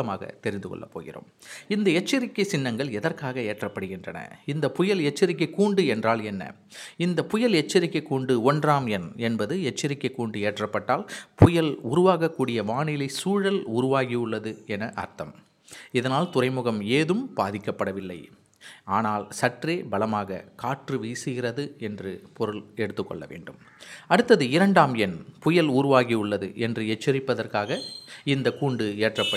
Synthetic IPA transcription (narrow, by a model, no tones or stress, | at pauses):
ɐmaːɣɐ̰t̪ɛɾɪnd̪ɯkɔ̰ɭːɐ̰pːo̰ːɣɪ̰ɾo̰ːmɪnd̪ɐɛt͡ʃːɐɾɪkːɐɪsɪnːɐŋɡɐɭɛðɐrkaːɣɐeːʈrɐpːɐɽɯɣɪndrɐnɐ̰ɪnd̪ɐpʊjɐlɛt͡ʃːɐɾɪk̬ːɐɪkːuːɳɖɯɛndraːlɛnːɐ̰ | ɪnd̪ɐpʊjɐlɛt͡ʃːɐɾɪkːɐɪkːuːɳɖɯɔndraːmɛnɛnbɐðɯɛt͡ʃːɐɾɪkːɐɪkːuːɳɖɯeːʈrɐpːɐʈːaːlpʊjɐlʊɾʊʋaːɣɐkːuːɽɪjɐʋaːɳɪlɐɪsuːɻɐlʊɾʊʋaːɣiʊɭːɐðɯɛnɐʔɐ̰ɾt̪ɐm | ɪðɐnaːlt̪ʊrɐɪmʊɣɐmeːðɯmbaːðɪkːɐpːɐɽɐʋɪlːɐ̰ɪ | aːnaːlsɐʈreːbɐlɐmaːɣɐ̰kaːʈrɯʋiːsɯɣɪrɐðɯɛndrɯpɔɾɯlɛɽɯt̪ːɯkːɔ̰ɭːɐ̰ʋḛːɳɖɯm | ɐɽɯt̪ːɐðɯɪɾɐɳɖaːmɛnpʊjɐluːɾʊʋaːɣiʊɭːɐðɯ̰ʔɛndrɯɛt͡ʃːɪɾɪpːɐðɐrkaːɣɐɪnd̪ɐkuːɳɖɯeːʈrɐpːɐ